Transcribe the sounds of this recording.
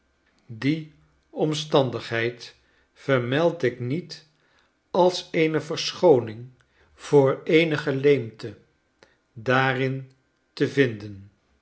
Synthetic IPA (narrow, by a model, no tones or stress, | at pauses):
di | ɔmstɑndəχɦɛjt | fəɹmɛlˠtɪknit | ɑlˠsejnəvəɹsχownɪŋ | v̥ʊːɹejnəχəlejmtə | daːrɪn | təvɪndən